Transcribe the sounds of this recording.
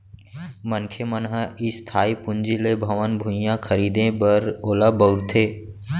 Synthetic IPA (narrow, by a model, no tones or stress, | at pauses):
mənkʰemənɦəist̪ʰaːipʊnd͡ʒilebʱɐʋənbʱʊ̃jãkʰəɾiːd̪ẽbəɾoːlabəʊɾt̪ʰeː